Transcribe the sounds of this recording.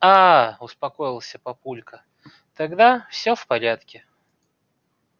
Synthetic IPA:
aʊspɐko̞jɪlˠsʲəpɐpulʲkə | t̪ɐɡd̪afsʲofpɐɾʲat̪kʲɪ

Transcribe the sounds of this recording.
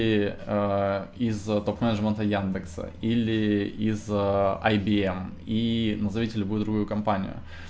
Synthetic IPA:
ɪəizt̪opmɛnəʐmʲənt̪əjand̪ɨksə̰ilʲɪizəɐjbʲiɛm | inəzɐvʲitʲɪlʲɪbuɪd̪ɾʊɡujʊkɐmpanʲɪ̰jʊ̰

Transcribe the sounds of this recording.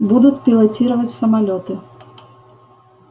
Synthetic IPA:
bud̪ut͡sʲpʲilˠat͡sʲiɾɐvɐt͡sʲsɐmalʲɔt̪ɨ

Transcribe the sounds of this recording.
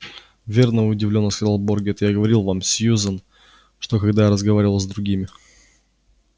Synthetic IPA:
vʲe̞rnəʊdʲɪvlʲonːəskɐzalˠborɡʲet̪jaɡəvɐɾʲilˠvamsʲjuzən | ʂt̪o̞kɐɡd̪ajaɾəzɡɐvaɾʲɪvəlˠzd̪ɾʊɡʲimʲɪ

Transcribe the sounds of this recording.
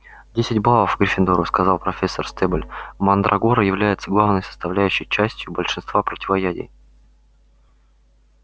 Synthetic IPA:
dʲesʲɪtʲblˠalˠəfɡɾʲɪfʲɪnd̪oɾʊskɐzɑlˠpɾɐfʲesːərst̪ɛbəlʲmɐnd̪ɾʔɐɡoɾəjɪvlʲæjɪt̪səɡlˠavnəjsə̥st̪ɐvlʲæjʉɕːɪjt͡ɕæsʲtʲjʊbəlʲʂɨnst̪vapɾətʲɪvɐjædʲɪ̰j

